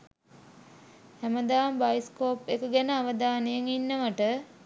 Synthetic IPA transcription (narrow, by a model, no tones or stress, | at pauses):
hæməd̪aːmbajskoːpekəɡɛnəaʋəd̪aːnejəŋinːəʋaʈə